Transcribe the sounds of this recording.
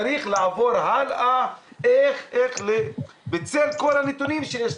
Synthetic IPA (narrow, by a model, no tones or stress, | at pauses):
aɾiχlaavo̞ʁɦalaʔeχeχle | bet͡selko̞lhanet̪unimʃejeʃ